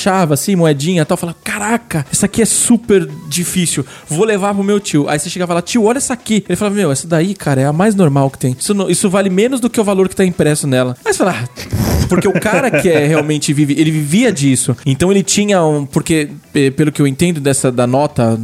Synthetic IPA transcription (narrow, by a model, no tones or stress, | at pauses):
ʃavɐsĩmoɛd͡ʒĩɲɐt̪awfalavɐkaɾakɐɛsɐakiɛsupeɾd͡ʒifisiw | volevaɾpɾʊmewt͡ʃiwʊʔa̰iseʃeɡavɐlat͡ʃiwʊɔʎɐɛsakielɪfalavɐmewɛsɐd̪aikʰaɾɐɛɐmajznoɾmawkɪ̥t̪ẽj̃isʊnõisʊvalɪmẽnʊzd̪ʊkeʊvaloɾkɪ̥t̪aĩpɾɛsʊnɛlɐmɐjsfelapoɾkeʊkaɾɐkɪɛheawmẽnt͡ʃɪvivɪelɪviviɐd͡ʒisʊẽnt̪ɐ̃w̃elɪt͡ʃĩɲɐũpoɾkeɛpelʊkɪewẽt̪ẽnd̪ʊd̪ɛsɐd̪ɐnɔt̪ɐ